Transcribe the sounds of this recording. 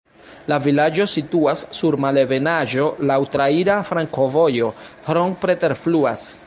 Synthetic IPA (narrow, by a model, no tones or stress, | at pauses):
lavilad͡ʒo̞situasːuɾmale̞be̞naʒo̞lawtɾaiɾafɾaŋko̞vo̞jo̞hɾoŋpɾe̞te̞ɾfluas